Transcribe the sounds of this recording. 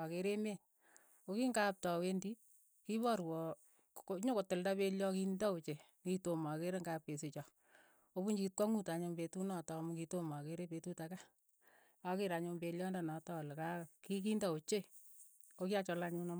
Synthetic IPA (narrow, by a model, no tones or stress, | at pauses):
akeɾeme | okiŋɡap̚tɔwendi | kibɔɾwɔ | oɲokotɪldapeljɔkindɔot͡ʃe | kitomakeɾeŋɡapesit͡ʃɔ | obuɲd͡ʒit̚kɔŋutaɲombetunɔtɔmukitomakeɾepetutaka | akiɾaɲombeljɔndanɔtɔlkakik̬indaot͡ʃe | okiat͡ʃɔlaɲunɔm